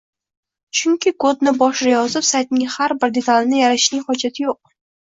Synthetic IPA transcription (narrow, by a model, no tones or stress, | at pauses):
t͡ʃʰʊŋkʲʰɪkʰɵd̪̚nɪbɒʃɪɾajɒzɪpsajt̪̚nɪŋhaɾbɪɾd̪e̞t̪ʰalnɪjaɾaʃnɪŋχɒd͡ʒat̪ʰɪjoq̚